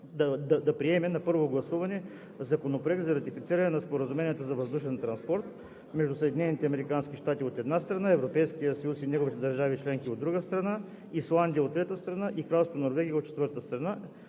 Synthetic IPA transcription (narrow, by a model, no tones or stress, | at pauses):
d̪ɐd̪ɐd̪ɐpɾiɛmɛnɐpɤɾvoɡlˠɐsuvɐnɛ | zɐkonopɾoɛk̚d̪zɐɾɐt̪ifit̪siɾɐnɛnɐspoɾəzumɛnʲiɛt̪ozɐvɐzd̪uʃɛnt̪ɾɐnspɔɾt̪ | mɛʒd̪usəɛd̪inɛnit̪ɛɐmɛɾikansk̟iʃt̪at̪iot̪ɛd̪nast̪ɾɐnaɛvɾopɛjskijəsɐjusinʲɛɡovit̪ɛd̪ɐɾʒavit͡ʃlɛŋkiod̪ɾuɡəst̪ɾɐna | islˠand̪ijəot̪ːɾɛt̪əst̪ɾɐnaʔikɾalˠst̪ot̪onoɾvɛɡʲijəot̪t͡ʃɛt̪vɤɾt̪əst̪ɾɐna